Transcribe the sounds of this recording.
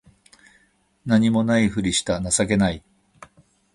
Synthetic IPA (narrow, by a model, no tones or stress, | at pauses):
naɲ̟imo̞naiɸɯ̟ɾʲiɕi̥t̪anasake̞nai